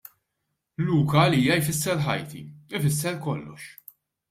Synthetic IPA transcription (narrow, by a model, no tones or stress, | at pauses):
luːkɐːliːjɐjfɪsːɛɾħɐ̰jt̪ḭɪfɪsːɛɾkɔlːɔʃ